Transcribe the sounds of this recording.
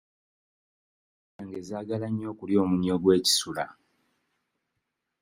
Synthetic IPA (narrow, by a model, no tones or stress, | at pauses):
aŋɡe̞zaːɡalaɲːo̞ːkuljo̞ːmuɲːo̞ɡwe̞ːci̥sula̰